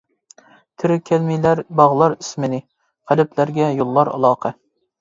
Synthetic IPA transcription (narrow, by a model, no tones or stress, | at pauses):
t̪ʰɪɾɪkʲʰɛlmijlæɾbɑʁlˠɑɾysmɪnɪ | qʰæd̪ɪpʰlæɾɡʲɛjolˠːɑɾɑ̰lˠɑːqʰɑ